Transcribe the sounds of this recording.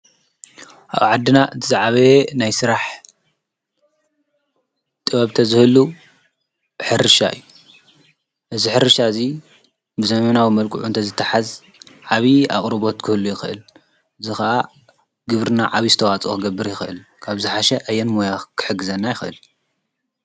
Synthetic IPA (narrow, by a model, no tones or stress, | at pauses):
ʔa̰βʕad̪ɨnaʔɨt̪ʰɨzaʕaβenajsɨɾaħ | t̪ʼɨβɐβt̪ʰɐzɨhɨlːu | ħɨɾɨʃa̰ʔɨ̰jːu | ʔɨziħɨɾɨʃaɨzi | bɨzɐmɐnawimɐlkʼuʕunt̪ʰɐzɨt̪ʰːaħaz | ʕaβia̰χʼɾɨβo̞t̪kʰɨhɨlːujɪxɨʔɨ̰l | ʔɨzixɐʔa | ɡɨβɾɨna̰ʕaβizɨt̪ʰɐwat͡sʼokɨɡɐbːɨɾjɪxʔɨlkʰaβzɨħaʃɛʔɐjːɛnmojakʰɨ̥ħɨɡɨzɐnːajɪxʔɨ̰l